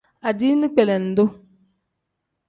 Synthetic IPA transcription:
a˨di˦nɪ˦k͡pɛ˨lɛ˨n̩˨dʊ˦

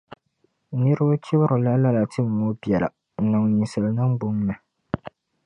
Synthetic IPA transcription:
nɨ˦ɾɨ˦bʊ˦t͡ʃi˦bɾʊ˨la˦la˦la˨tɨ˦m̩˨o˦bjɛ˨la̰˨ | n̩˨na˨ŋ˨niː˨sɨ˨lnɨ˦m̩˦bʊ˦ŋmɛ˨

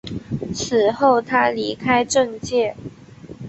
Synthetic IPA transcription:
t͡s̩ʰ˨˩xo˥˩ʊt̪ʰa˥li˧˥kʰa˥ɪʈ͡ʂɤ˥˧ŋt͡ɕjɛ˥˩

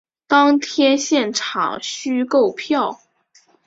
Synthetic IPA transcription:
t̪ɑ˥ŋt̪ʰjɛ˥nɕjɛ˥˩nʈ͡ʂʰɑ̰˨˩ŋɕy˥ko˥˩ʊpʰjɑ˥˩ʊ

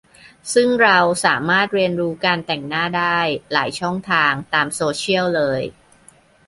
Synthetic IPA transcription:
sɯ˥˩ŋɾa˧wsa̰ː˩˦maː˥˩t̪̚ɾi˧ənɾuː˦˥kaː˧nt̪ɛ˨˩ŋnaː˥˩daː˥˩jlaː˩˦jt͡ɕʰɔ˥˩ŋt̪ʰaː˧ŋt̪aː˧msoː˧t͡ɕʰi˥˩əwlɤː˧j

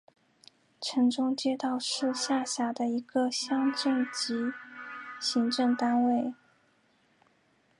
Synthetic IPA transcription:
ʈ͡ʂʰɤ˧˥ŋʈ͡ʂʊ˥ŋt͡ɕjɛ˥˧t̪ɑ˥˧ʊʂɻ̩˥˧ɕja˥˩ɕja˧˥d̪ə˧i˧˥ɡə˧ɕjɑ˥ŋʈ͡ʂɤ˥˩ŋt͡ɕi˧˥ | ɕi˧˥ŋʈ͡ʂɤ˥˩ŋt̪a˥nwe˥˩ɪ

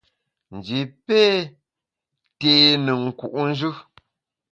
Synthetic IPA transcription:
n̩˨d͡ʒi˨pe˦ | teː˨nə˨ŋ̩˨ku˨ʔn̩˦d͡ʒʉ˦

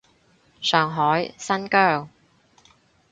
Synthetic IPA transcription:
sœː˨ŋɦɔː˨˥jsɐ˥nkœː˥˩w

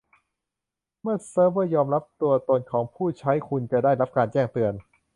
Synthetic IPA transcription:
mɯ˥˩ɐsɤː˦˥bɤ˥˩jɔː˧mɾa˦˥p̚t̪u˧ɐt̪o˧nkʰɔː˩˦ŋpʰuː˥˩t͡ɕʰa˦˥jkʰu˧nt͡ɕa˧˩daː˥˩jɾa˦˥p̚kaː˧nt͡ɕɛː˥˩ŋt̪ɯ˧ən

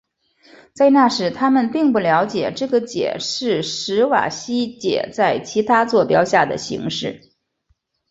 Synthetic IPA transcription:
t͡sa˥˧ɪna˥˩ʂɻ̩˨˩t̪ʰa˥mə˨npi˥˧ŋpu˥˩ljɑ˧˥ʊt͡ɕjɛ˨˩ʈ͡ʂɤ˥˩ɡə˩t͡ɕjɛ̰˨˩ʂɻ̩˥˩ʂɻ̩˧˥wa̰˨˩ɕi˥t͡ɕjɛ̰˨˩t͡sa˥˩ɪt͡ɕʰi˧˥t̪ʰa˥t͡swɔ˥˩pjɑ˥ʊɕja˥˩d̪ə̰˩ɕḭ˧˥ŋʂɻ̩˥˩

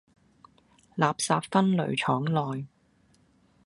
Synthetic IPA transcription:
laː˨p̚saː˧pfɐ˥nlɵ̰˨˩ɥt͡ʃʰɔː˨˥ŋlɔː˨j

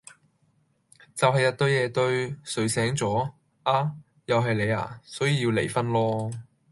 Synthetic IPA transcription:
t͡sɐ˨wɦɐ˨jːɐ˨˧t̚t̪ɵ˧ɥjɛː˨˧t̪ɵ˧ɥsɵ˨˥ɥsɛː˨˥ŋt͡sɔː˨˥ | ʔaː˨˧ | jɐ˨wɦɐ˨jle˨˧ja̰ː˧˩sɔː˨˥jiː˨˧jiː˧wlḛ˨˩jfɐ˥nlɔː˥

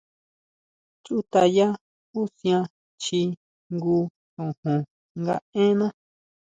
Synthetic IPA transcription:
t͡ʃu˦t̪a˧ja˦ | u˦sj̃ã˧ | t͡ʃi˧ | ŋɡu˧ | kõ˨hõ˨ | ŋɡa̰˧ẽ˦nã˦

